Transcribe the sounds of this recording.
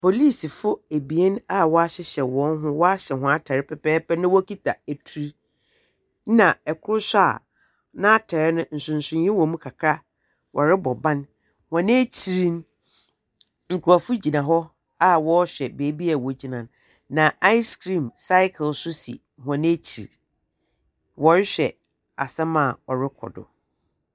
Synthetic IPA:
pʰo˨li˦˨si˨fʊ˦æ˨bi˨e˦n˦a˦wɔ˦a˦ɕɛ˦ɕɛ˨wɔ̃˨˦n˦ɦʊ̃˦wɔ˦a˦ɕɛ˨ɦʊ̃˨a˦tʰɛ˨ɾɪ˦pʰɛ˨pɛː˦pɛ˦nɪ̃˦wɔ˦kʰi˦tʰa˨æ˨tʰu˨ɾi˦ | nã˨ɛ˨kʰʊ˦ɾʊ˦sa̰˨ | nã˦a˦tʰɛ˨ɾɪ˦nʊ̃˦n̩˨sʊ̃˨n̩˨sʊ̃˨˦ɪ̃˦wɔ̃˨mũ˦kʰa˨kʰɾa˦ | wʔɔ˨ɾɪ˦bɔ˨bã˦n | hã˨nɪ̃˦æ˦t͡ɕʰi˨ɾi˦n˦ | ŋ̩˨kʰu˨a˨fu˦d͡ʑi˨nã˨ɦɔ˦ | a˦wɔ˦ɕᶣɛ˨beː˨˦bi˦a˨wɔ˨d͡ʑi˨nã˨n | nã˨ʔa˦ɪ˦skɾĩ˨msa˦ɪ˦kʰlsʊ˦sḭ˨hã˨nɪ̃˦e˦t͡ɕʰi˨ɾ | wɔ˦ɾɪ˦ɕᶣɛ˨ | a˨sɛ˦mã˨ɔ˨ɾɪ˦kʰɔ̰˨dʊ̰˨

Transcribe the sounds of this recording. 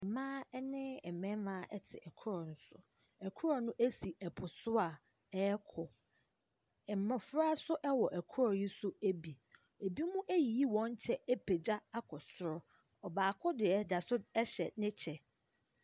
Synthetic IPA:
mãː˦ɛ˦nɪ̃˦ɛ˨mɛ̃˦mãː˦ʔɛ˦tʰɪ̰˨ʔɛ˨kʰʊ˦ɾɔ˨n̩˦sʊ̰˨ | ɛ˨kʰʊ˦ɾɔ˨nʊ̃˦ʔæ˦si˨ɛ˨pʰʊ˨sʊ˦a˨ | ɛ˦kʰɔ˨ | ɛ˨m˨mã˨fɾa˦sʊ˦ʔɛ˦wɔ˨ʔæ˨kʰʊ˦ɾɔ˨ji˦sʊ˦æ˦bi˨ | e˨bi˦mũ˦ʔæ˦ji˨i˦wɔ̃˦n˦t͡ɕʰɛ˦ɛ˦pʰe˨d͡ʑa˦a˦kʰɔ˨sʊ˦ɾʊ˦ | ɔ˨baː˨kʰʊ˦dɪ˨ɛ˨da˨sʊ˦ɛ˦ɕɛ̰˨nɪ̃˦t͡ɕʰɛ˨

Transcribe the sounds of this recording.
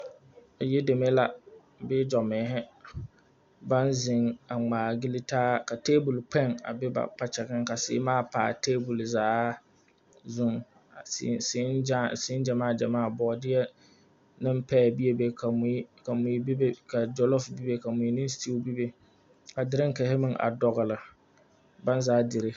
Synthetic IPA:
jɛ˦de˨me˦la˨ | bɪ˦d͡ʒɔ˨mɪː˨˦ɦɛ˦ | ba˦nzɪ˨ŋa˨ŋ͡maː˨ɡi˦li˦taː˦ka˨teː˦bu˨lk͡pʰɛ˦˨ŋa̰˨bɪ˦ba̰˨pa˦t͡ʃɛ˨ɡɪ˦ŋka˨sɪ̰˨˦maː˦˨pa̰ː˨teː˦bʊ˨lzaː˨˦ | zʊ˦ŋ˨˦ | ssɪ˨˦ɪ˦nd͡ʒa˨maː˦˨d͡ʒa˨maː˦˨bɔ˨dɪ˦jɛ˦ | nɨ˦mpɛ˦˨bi˦ɛ˦be˨ka˨m˨˦ka˨mu˨˦bka˨d͡ʒɔ˦lɔ˦fbi˦be˦ka˨mu˨˦nɪ˦sti˦u˦bi˦be˦ | ka˨dɪ˨ɾɪ˦ŋ˦kɛ˨hɪ˦mɪ˦ŋʔa̰˨dɔ˨ɣɨ˨lɨ˨ | ba˦nzaː˦dɪ˨ɾɪ˦

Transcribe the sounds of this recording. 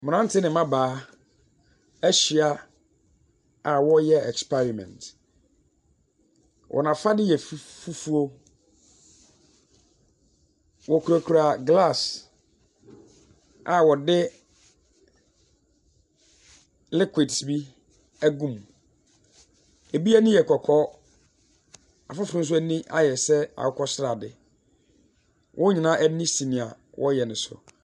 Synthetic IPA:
mɪ̃˨ã˦n̩˦tʰɪ˦nɪ̃˨mã˦baː˨˦ | æ˦ɕi˨a˦ | a˨wɔ˦jɛ˦ɛ˨kspʰɛ˦ɾi˨mɛ̰̃˨ntʰ | wʔɔ̰˨nã˨fa˦dɪ˦jɛ˨ffu˦fu˦o˦ | wɔ˨kʰu˨ɾa˨kʰu˨ɾa˨ɡla˦˨s | a˨wɔ˨dɪ˦ | lɪ˦kʰʷɪ˨dsbi˦ | æ˦ɡũ˦˨m | e˨bi˦a˦nɪ̃˦jɛ˨kʰɔ˨kʰɔ˦ | a˨fʊ˦fɪ̃˦s̬ʊ˦æ˦nĩ˦ʔa̰˨jɛ˨sɛ˦a̰˨wʊ˦kʰɔ˦sɪ˦ɾa˨dɪ˨ | wʔɔ̃˦ɲɪ̃˨nã˦ʔæ˦nĩ˦si˨nɪ̃˨a˨ | wʔɔ˦jɛ˨nɪ̃˨sʊ̰˨

